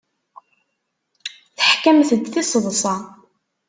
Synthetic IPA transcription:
θə̥ħkæmθəd̪θisˤðˤsˤɑ

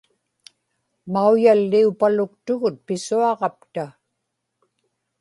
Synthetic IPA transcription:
maujalːiupalʊkt̪ʊɣʊt̪̚pɪsuɑʁɑpt̪a

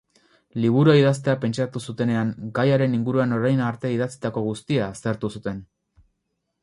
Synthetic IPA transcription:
liβ̞uɾuaiðast̪e̞ape̞nt͡ʃat̪usut̪e̞ne̞aŋɡajaɾe̞niŋɡuɾuano̞ɾajnaɾt̪eið̞at͡si̥t̪ako̞ɣust̪iaːst̪e̞ɾt̪usut̪e̞n

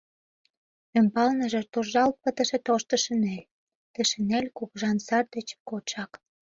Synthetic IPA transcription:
ømpɑlnə̆ʒĕt̪orʒɑlt̪̚pət̪ə̆ʃĕt̪oʃt̪ə̆ʃə̆nelʲ | t̪əʃə̆nelʲkukʒɑnsɑrd̪ĕt͡ɕkoʃɑk

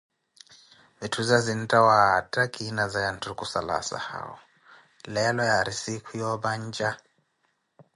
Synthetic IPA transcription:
βitʰud͡zazin̩tʼawatʼakʼinad͡zajantʰukʼusala̰sa̰ha̰ɔ̰ | lɛlɔjaɾisikʰujɔβand͡ʒʼa

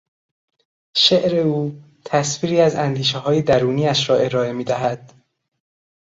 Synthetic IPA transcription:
ʃeʔɾe̞uː | t̪ʰæsfiːɾiːæzænd̪iːʃeɦɒːjed̪æɾuːniːæʃɾɒːe̞ɾɒːe̞miːd̪æɦæd̪̥

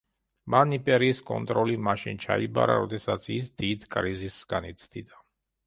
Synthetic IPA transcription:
manipʼɛɾiːskʼɔ̰nt̪ʼɾɔlimaʃint͡ʃʰaiba̰ɾa̰ɾɔd̪ɛsat̪sʰisd̪id̪kʼɾizisɡanit̪sʰd̪id̪a

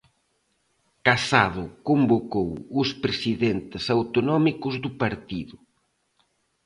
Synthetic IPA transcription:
kasaðʊkombokowʊspɾesiðent̪ɪsawt̪onɔmikʊzðʊpaɾt̪iðʊ

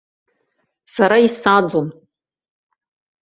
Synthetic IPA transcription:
saɾaisad͡zom

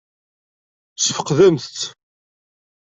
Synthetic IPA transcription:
səfə̥qːðæmθt͡sː

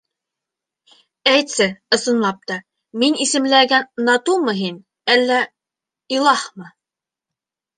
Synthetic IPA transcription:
æjt̪sɘɤ̆sɤ̆nlˠɑp̚t̪ɑ | minisɘ̆mlæɡænːɑt̪umɤɦin | ælːæ | ilˠɑhmɤ

